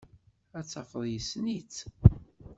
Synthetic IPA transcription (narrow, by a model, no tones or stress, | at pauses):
æt͡sːɑfəðˤjəsnit͡s